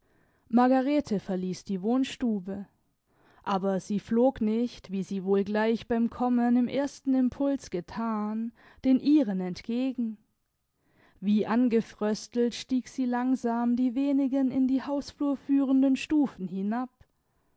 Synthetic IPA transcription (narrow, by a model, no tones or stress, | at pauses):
maɐɡaʁeːtʰəfɛɐliːsd̥iːvoːnʃtuːbə | ʔaːbɐziːfloːknɪçtv̥iːziːvoːlɡlaɪçb̥aɪmkʰɔmənɪmʔeːɐstn̩ɪmpʰʊlsɡ̥ətʰaːn | d̥eːnʔiːʁənɛntɡ̥eːɡŋ̩ | viːʔanɡəfʁ̥œstl̩tʃtiːkz̥iːlaŋzaːmdiːveːnɪɡənɪndiːhaʊsfluːɐfyːʁəndənʃtuːfn̩hɪnap̚